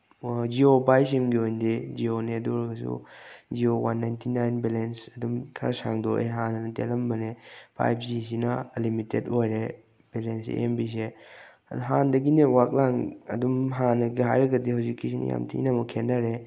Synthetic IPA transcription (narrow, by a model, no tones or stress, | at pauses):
d͡ʒiopajsimɡiojndid͡ʒioneɐduɾɐɡɐsṵd͡ʒiowanːajntʰinajnbilensɐdumkʰɐɾɐsa̰ŋdoʔeɦanɐnɐtelɐmbɐnepʰa̰jp̚zis̬inɐlimitetojɾe | b̥elensḭʔḛmbis̬e | ɦandɐɡinewak̚laŋɐ̰dumɦanːɐɡiɦajɾɐɡɐdihawzikːisinḭja̰mtʰiḭnɐmɐkʰːendɐɾe